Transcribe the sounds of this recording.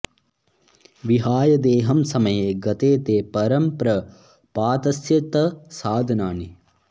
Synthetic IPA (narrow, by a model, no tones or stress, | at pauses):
ʋiɦaːjɐd̪eːɦɐmsɐmɐjeːɡɐt̪eːt̪eːpɐɾɐmpɾɐ | paːt̪ɐsjɐt̪ɐsaːd̪ʱɐnaːni